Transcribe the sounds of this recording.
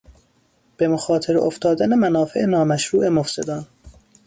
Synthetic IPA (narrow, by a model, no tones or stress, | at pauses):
b̥emoxɒːt̪ʰe̞ɾo̰ft̪ɒːd̪ænemænɒːfḛʔenɒːmæʃɾuːʔe̞mofse̞d̪ɒːn